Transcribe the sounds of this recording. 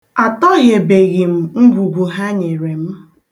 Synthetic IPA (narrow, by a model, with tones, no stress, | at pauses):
a˨tɔ˦ɣe˨be˨ɣɪ˨m̩˨ŋ̩˦ɡʷu˨ɡʷu˨ɦa˦ɲe˨ɾe˨m̩˦